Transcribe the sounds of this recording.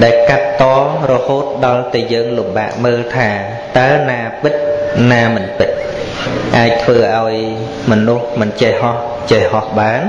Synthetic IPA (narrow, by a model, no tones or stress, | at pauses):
ɗaɛlkat̪ːɑːrɔhoːt̪̚ɗɑlt̪ɛːjəːŋlumɓaːʔməːlt̪ʰaː | t̪aənaːpɨt̪̚naːmɨnpɨt̪̚ | ʔaːc̚t̪ʰʋəːʔaɔj | mɔnuhmɨnt͡ɕehhɑh | t͡ɕehhɑhɓaːn